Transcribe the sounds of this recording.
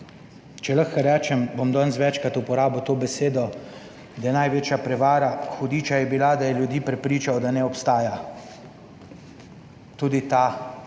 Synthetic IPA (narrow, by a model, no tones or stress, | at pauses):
t͡ʃɛlaxkɔɾɛːt͡ʃɛmbomd̪ɔːnsʋɛːt͡ʃkɾat̪upɔɾaːbot̪oːbɛseːd̪ɔ | d̪ajɛnajʋeːt͡ʃjapɾɛʋaːɾaxɔd̪iːt͡ʃajɛbilad̪ajɛljud̪iːpɾɛpɾiːt͡ʃawd̪anɛɔpst̪aːja | t̪uːd̪it̪a